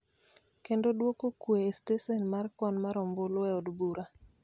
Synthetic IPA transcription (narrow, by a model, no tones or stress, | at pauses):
kendodwokokweestesɛnmarkwɔnmaɾɔmbolɔɛɔdbuɾa